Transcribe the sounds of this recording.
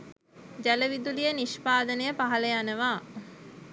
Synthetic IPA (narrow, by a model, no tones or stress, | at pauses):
d͡ʒæləʋid̪ulijəniʃpaːd̪ənəjəpaɦɐləjanəʋaː